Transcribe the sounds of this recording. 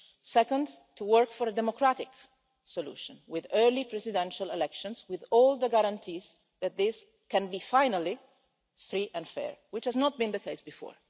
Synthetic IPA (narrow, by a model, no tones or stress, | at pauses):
sɛkə̃ndtʰuwɜɹkfɔɾədɛmɔkɾatɪk | sɔlṵːʃə̃nwɪðɜɹlipɹɛsɪdɛ̃nʃalɛlɛkʃɔ̃nswɪðɔlˠd̪əɡaɾãntʰiz | ðæt̪̚ðɪs | kɛ̃nbifajnali | fɹiʔɛ̃ndfɛ̰ɹwɪt͡ʃhæznɔt̪̚bĩnd̪əkʰeɪsbifɔ̰ːɹ